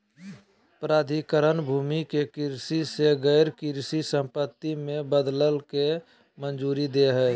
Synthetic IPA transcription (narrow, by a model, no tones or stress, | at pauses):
pɾaːd̪ʱikəɾənbʱuːmikekɪɾsiseɣɛɪɾkɪɾsisə̃mpət̪ːimẽbəd̪ləlke | mənd͡ʒuːɾid̪eɦɛː